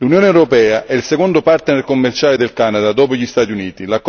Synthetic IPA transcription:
lunjoːnewɾopɛːaʔɛilsekond̪opart̪enerkomːert͡ʃaːled̪elkanad̪ad̪ɔːpoʎist̪aːt̪iuniːt̪ilakː

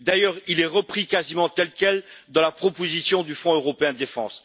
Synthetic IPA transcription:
d̪ajœːʁilɛʁəpχikazimɑ̃t̪ɛlkʲɛld̪ɑ̃lapχɔpozisjɔ̃d̪yfɔ̃øʁɔpeɛ̃d̪əd̪efɑ̃s

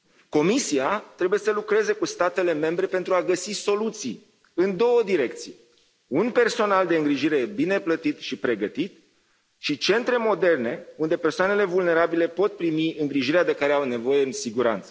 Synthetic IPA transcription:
ko̞misiat̪ɾe̞buje̞səlukɾe̞ze̞kust̪at̪e̞le̞me̞mbɾe̞pe̞nt̪ɾuaɡəsiso̞lut̪sij | ɨnd̪o̞wəd̪iɾe̞k̚t̪sije | unpe̞rso̞nald̪e̞ɨŋɡɾiʒiɾe̞bine̞plət̪it̪ʃipɾe̞ɡət̪it̪ | ʃit͡ʃe̞nt̪ɾe̞mo̞d̪e̞rne̞und̪e̞pe̞rsoanele̞vulne̞ɾabile̞po̞t̪̚pɾimiɨŋɡɾiʒiɾead̪e̞kaɾeawne̞vo̞je̞ɨnsiɡuɾa̰nt̪sə̥

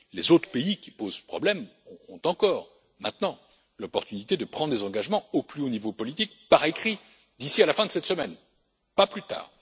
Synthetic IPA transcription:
lezot̪χə̥peikʲi̥pozpχɔ̰blɛmɔ̃t̪ɑ̃kɔːʁ | mɛ̃t̪nɑ̃ | lɔpɔʁt̪ynit̪ed̪əpχɑ̃d̪ʁd̪ezɑ̃ɡaʒmɑ̃oplyonivopɔlit̪ik̚paʁekχi | d̪isialafɛ̃d̪əsɛt̪səmɛn | paplyt̪a̰ːʁ

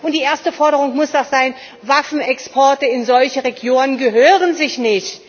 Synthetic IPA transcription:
ʔʊntd̥iːʔeːɐstəfɔɐɾəʁʊŋmʊsd̥aχz̥aɪn | vafn̩ɛkspʰɔɐtəɪnzɔlçəʁeɡjoːnənɡəɦøːʁənzɪçnɪçt

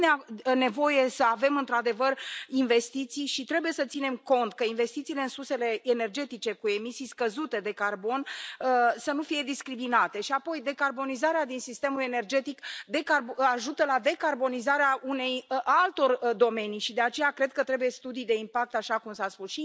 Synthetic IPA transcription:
neane̞vo̞je̞səave̞mɨnt̪ɾad̪e̞vərinve̞st̪it̪sijʃit̪ɾe̞buje̞sət̪sine̞mko̞nt̪kəinve̞st̪it̪siːle̞ɨnsuse̞le̞ene̞rd͡ʒe̞t̪it͡ʃe̞kue̞misijskəzut̪e̞d̪e̞karbo̞nəsənufije̞d̪iskɾiminat̪e̞ʃiapo̞jd̪e̞karbo̞nizaɾead̪insist̪e̞mule̞ne̞rd͡ʒe̞t̪ikd̪e̞karaʒut̪əlad̪e̞karbo̞nizaɾeaʔune̞jalt̪o̞rd̪o̞me̞nijʃid̪e̞at͡ʃe̞jakɾe̞d̪̚kət̪ɾe̞buje̞st̪ud̪ijd̪e̞impak̚t̪aʃakumsaspusʃi

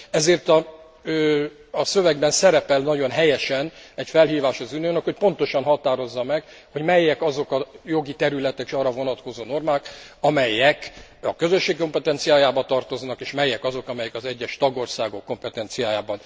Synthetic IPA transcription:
ɛzeːrt̪ɒ | sø̞vɛɡbɛnsɛɾɛpɛlnɒɟo̞nɦɛjɛʃɛnɛcfɛlɦiːvaːʃɒzynøːnɛkho̞c̚po̞nt̪o̞ʃɒnɦɒt̪aːɾo̞zːɒmɛɡ | ho̞ɟmɛjːɛkɒzo̞kɒjo̞ɡit̪ɛɾylɛt̪ɛkiʃɒːrɒvo̞nɒt̪ko̞zoːno̞rmaːkɒmɛjɛkɒkøzø̞ʃːeːkko̞mpɛt̪ɛnt̪sijaːjaːbɒt̪ɒrt̪o̞znɒkeːʃmɛjːɛkɒzo̞kɒmɛjɛkɒzɛɟːɛʃt̪ɒɡo̞rsaːɡo̞kːo̞mpɛt̪ɛnt̪sijaːjaːbɒn

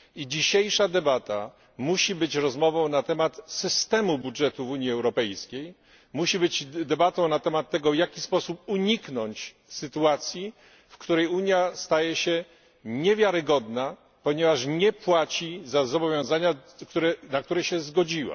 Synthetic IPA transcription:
id͡ʑiɕejʂad̪ɛbat̪a | muɕibɘt͡ɕɾɔzmɔvɔ̃w̃nat̪ɛmat̪sɘst̪ɛmubudʐɛt̪uvuɲjiɛwɾɔpɛjskʲej | muɕibɘt͡ɕd̪ɛbat̪ɔ̃w̃nat̪ɛmat̪ːɛɡɔvjakʲispɔsup̚uɲiknɔɲt͡ɕ | sɘt̪uat̪sʲji | fkt̪uɾɛjuɲjast̪ajɛɕɛ | ɲɛvʲjaɾɘɡɔd̪na | pɔɲɛvaʂɲɛpwat͡ɕizazɔbɔvʲjɔ̃w̃zaɲakt̪uɾɛnak̚t̪uɾɛɕɛzɡɔd͡ʑiwa̰

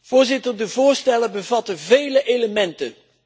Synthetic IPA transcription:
v̥ʊːɹzɪtəɹdəvʊːɹstɛləbəvɑtəvejləʔeləmɛntə̰n

